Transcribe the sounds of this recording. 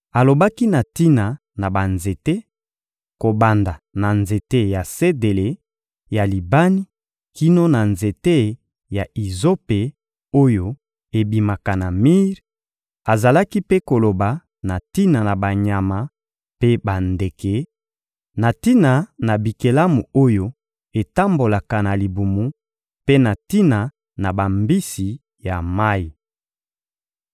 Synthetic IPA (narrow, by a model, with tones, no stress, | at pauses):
a˨lo˨ba˦ki˦na˨ti˦na˨ | na˨ba˨nze˨te˦ | ko˨ba˨nda˨na˨nze˨te˦ja˨se˦de˨le˨ | ja˨li˨ba˦ni˦ | ki˦no˦na˨nze˨te˦ | ja˨i˨zo˦pe˨ | o˦jo˨ | e˨bi˨ma˨ka˨na˨mi˦ʁ | a˨za˨la˦ki˦pe˦ko˨lo˨ba˨ | na˨ti˦na˨na˨ba˨ɲa˨ma˨ | pe˦ba˨nde˨ke˨ | na˨ti˦na˨na˨bi˨ke˨la˦mu˨o˦jo˦ | e˨ta˦mbo˨la˨ka˨na˨li˨bu˨mu˦ | pe˦na˨ti˦na˨ | na˨ba˨mbi˦si˨ | ja˨ma˦i˨